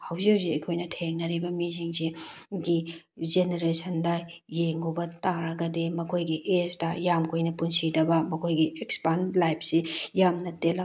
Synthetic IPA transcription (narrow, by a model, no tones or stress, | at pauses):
hɐwziwziɐjkʰojnɐtʰeŋnɐɾibɐmiziŋsiɡi | zeneɾesʰɐndajeŋubɐtaɾɐɡɐdemɐkʰojɡiʔezdɐjamkʰojnɐpunsidɐbɐmɐkʰojɡiekspanlajp̚ʰsijamnɐtel